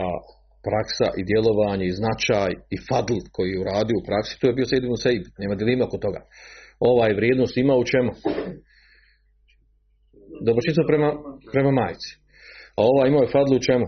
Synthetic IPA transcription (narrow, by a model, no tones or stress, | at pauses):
a | pɾaksa̰ʔid̪je̞lˠo̞ʋaːɲeiznat͡ʃaːjifad̪l̩ˠkʰo̞jijeuɾaːd̪ijo̞upɾaksi̥t̪uːjebiosed̪ibnseibneːmad̪jelˠiːmao̞kot̪o̞ɡa̰ːo̞ʋaːjeʋɾʲjeːd̪noːst̪imaut͡ʃemu | d̪obɾot͡ʃit̪sopɾemapɾe̞mamaːjt̪si̥ | ao̞ʋaːjimaojefad̪lˠiut͡ʃemu